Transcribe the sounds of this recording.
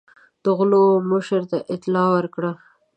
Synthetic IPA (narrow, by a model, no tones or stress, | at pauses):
d̪̥əɣlomʊʃəɾt̪aʔɪt̪lɑwəɾkɽa